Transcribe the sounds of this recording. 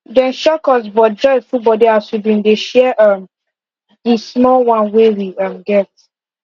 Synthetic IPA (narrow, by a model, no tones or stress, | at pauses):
dɛ̃nʃɔkɔsbɔt̚d͡ʒɔfubɔdiaswibɹĩndeʃɛʔam | ismɔlwãnwewiʌmɡɛt